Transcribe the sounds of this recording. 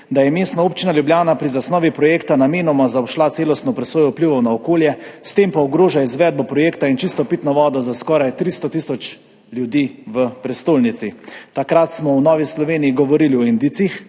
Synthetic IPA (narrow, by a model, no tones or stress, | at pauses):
d̪ajɛmeːst̪naoːpt͡ʃinaljubljaːnapɾizasnɔːʋipɾɔjeːkt̪anameːnɔmazaɔpʃlat̪seːlɔst̪nɔpɾɛsoːjɔupliʋɔwnaɔkoːljɛst̪empaɔɡɾoːʒaizʋɛːd̪̚bɔpɾɔjeːkt̪aint͡ʃist̪ɔpit̪nɔʋɔːd̪ɔzaskɔːɾajt̪ɾist̪ɔt̪iːsɔt͡ʃ | ljud̪iːʋəpɾɛst̪oːlnit̪sit̪akɾat̪smɔwnɔːʋislɔʋeːnijiɡɔʋɔɾiːliɔind̪it̪six